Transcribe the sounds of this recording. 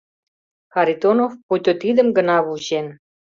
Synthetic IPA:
xɑɾit̪onofput̪ʲot̪id̪ə̆mɡə̆nɑβuʑen

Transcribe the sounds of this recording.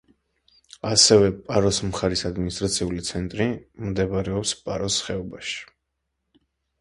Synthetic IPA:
asɛvɛpʼaɾɔsmχaɾisad̪minist̪ʼɾat̪sʰiulit̪sʰɛnt̪ʼɾimd̪ɛbaɾɛɔpspʼaɾɔsχɛɔbaʃi̥

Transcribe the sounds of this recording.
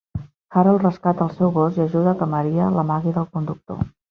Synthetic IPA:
kaɾəlˠrəskat̪əlˠsɛwɣosjəʒuðəkəməɾiələmaɣiðəlˠkund̪uk̚t̪o̰

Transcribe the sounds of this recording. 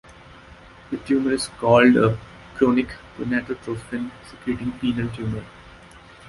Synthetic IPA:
d̪əʈjũːməɾɪskɔːlɖə | kɾõːnɪkfɔnæʈɾoʈɾoːfʈɪ̃nsɪkɾuːʈɪ̃ŋpiːnəlʈjũːməɾ

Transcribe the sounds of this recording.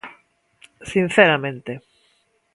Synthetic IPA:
sin̟θeɾamẽnt̪e

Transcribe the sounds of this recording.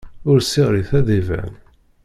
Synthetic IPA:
ʊɾsiʁɾiθæðivæ̰n

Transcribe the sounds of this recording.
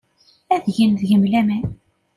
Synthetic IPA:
æðʝinðʝəmlæmæn

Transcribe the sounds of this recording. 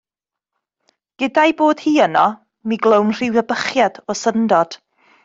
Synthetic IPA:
ɡ̥ədajboːd̥hiːənɔ | miɡlˠownr̥ɪwvəbəχjad̥ɔsəndɔd̥

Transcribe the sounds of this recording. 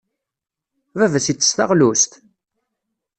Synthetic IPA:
vævæsit͡sːə̥st̪ɑ̰ʁlust̪

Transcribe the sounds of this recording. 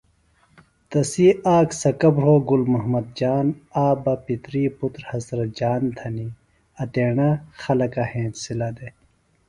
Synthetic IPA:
t̪ɐsiːaːksɐkɐbɦoːɡulmɐɦmɐd̪̚d͡ʑaːnaːbɐpit̪ɾiːput̪ɾhɐzɾɐt̪̚d͡ʑaːnd̪ʱʰɐni | ɐt̪eːɳaxɐlɐkahẽːsilad̪e

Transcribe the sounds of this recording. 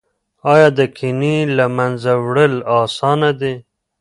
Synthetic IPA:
ɑjɑd̪əkʰɪnilamanzawɽəlɑsɑnad̪e

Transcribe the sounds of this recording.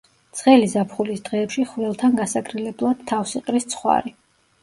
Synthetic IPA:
t̪sʰχɛlizapʰχulisd̪̥ʁɛːpʃiχvɛlˠt̪ʰanɡasakʰɾilɛblˠad̪̥tʰːafsiqʼɾist̪sʰχwa̰ɾi

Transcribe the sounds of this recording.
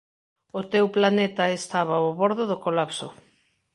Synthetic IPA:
ʊt̪ewplanet̪ɐest̪aβ̞aoβoɾðʊðʊkolapso

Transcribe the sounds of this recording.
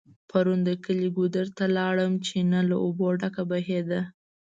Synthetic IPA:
pʰaɾund̪əkəliɡud̪əɾt̪alɑɽəmt͡ʃenalaʔoboɖakabaɦed̪a

